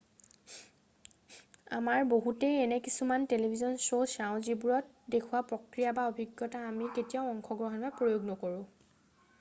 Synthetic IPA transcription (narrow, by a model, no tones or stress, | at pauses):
a̰maɹboɦutɛɛnɛkisumantelebʱizɔnsosaʊ̃zibuɹɔt̚ | dekʰuwapɹɔkɹijabaobʱiɡjɔtaːmiketijaʊɔŋkʰɔɡɹɔɦɔnbapɹojoɡnɔkoɹʊ̃